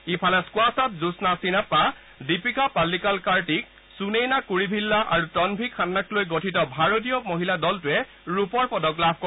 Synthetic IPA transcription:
ipʰalɛskʊasatzusnasinapːa | dipikapalːikalkaɹtik̚ | sunejnakuɹibʱilːaʔaɹutɔnbʱikʰːanːaklojɡotʰitɔbʱaɹot̬ijɔmoɦiladɔltʊɛ | ɹupɔɹpɔdɔklab̚ʱkɔ

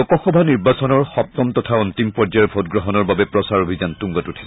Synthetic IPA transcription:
ɔkɔxɔbʱaniɹbasɔnɔɹxɔp̚tɔmtɔtʰauntimpɔɹzajɛɹbʱotɡɹɔɦɔnɔɹbabɛpɹɔsaɹobʱizantuŋɡɔtutʰi̥s

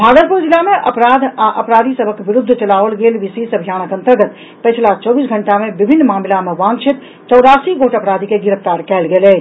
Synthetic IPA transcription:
bʱaːɡət̪̚puɾd͡ʒilameʔəpɾad̪ʱaʔəpɾaːd̪ʱisəbʱəkʋiɾud̪ʱːt͡ʃəlaʋəlɡelʋiseisəbʱijaːñəkə̃nt̪əɾɡət̪ | pəjt͡ʃʰlat͡ʃɔbisɡʱəɳʈamebibʱinːmaːmlameʋãŋɡt͡ʃʰit̪ | t͡ʃɔwd̪asiɡoʈəpɾad̪ʱikeɡiɾəpʰt̪aɾkɛːlɡelɛ

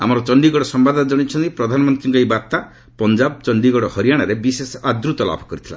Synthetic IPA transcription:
a̰mɔɾɔt͡ʃɔɳɖiɡɔɽɔsɔmbad̪ʱɔnad͡ʒɔɽ̃it͡ʃʰɔnt̪ipɾɔd̪ʱanɔmɔnt̪ɾiŋkɔejbat̪a | pɔnd͡ʒab̚t͡ʃɔɳɖiɡɔɽɔhɔɾijaɽ̃aɾebisesad̪ɾut̪ɔla̰pʰɔ̥kɔɾit̪ʰila̰

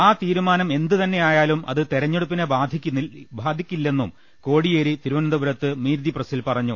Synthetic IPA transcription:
aːt̪iːɾumaːnɐme̞nd̪ɨt̪ɐnːe̞jaːjaːlumʔɐ̰ðɨt̪eɾɐɲːeɽupːinebaːd̪ʱikʲːbʱaːd̪ʱikʲːilːe̞nːum | ko̞ːɽijeːɾit̪iɾuʋɐnɐnd̪ɐbuɾɐt̪ːɨmiːɾd̪iprɐsilpɐrɐɲːu

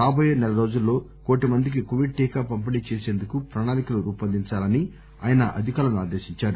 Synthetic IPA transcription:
aːbɐjeːnɛlɐɾo̞ːd͡ʒulːo̞ːko̞ːʈimɐnd̪ik̬ikoʋiɖ̚ʈiːkaːpɐmp̬ɐnit͡ʃeːseːnd̪ukupɾɐnaːnikɐluɾuːpɐnd̪iɲt͡ʃaːlɐni | a̰ːjɐnɐʔɐd̪ʱikaːlɐnua̰ːd̪e̞ːʃiɲt͡ʃaːɾu

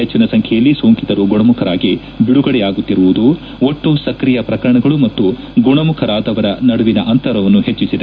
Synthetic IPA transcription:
ɦet͡ʃːinɐsɐŋkʰɛjɐlːisoːŋkit̪ɐɾuɡuɳɐmukʰɐɾaːɡi | biɽuɡɐɽɛjaːɡut̪ːiɾuʋud̪u | oʈːusɐkɾijɐpɾɐkɐɾɐɳɐɡɐɭumɐt̪ːu | ɡuɳɐmukʰɐɾaːd̪ɐʋɐɾɐnɐɽuʋinɐʔɐnt̪ɐɾɐʋɐnːuhe̞t͡ʃːisid̪e

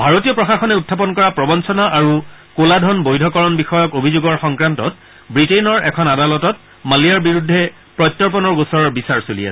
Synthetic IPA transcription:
bʱaɹotijɔpɹɔxaxɔnɛutʰːap̬ɔnkɔɹapɹɔbɔnsɔnaʔaɹukoladʱɔnbojdʱɔkɔɹɔnbixɔjɔkobʱizuɡɔɹxɔŋkɹantɔt̚ | bɹitejnɔɹɛkʰɔnadalɔtɔt̚ | maliaɹbiɹudʱːɛ | pɹɔjtːɔɹp̬ɔnɔɹusɔɹɔɹbisaɹsolḭja̰s

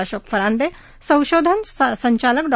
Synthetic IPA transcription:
əɕokfəɾand̪e | sə̃w̃ʃod̪ʱənsəɲt͡ɕalək̚ɖ

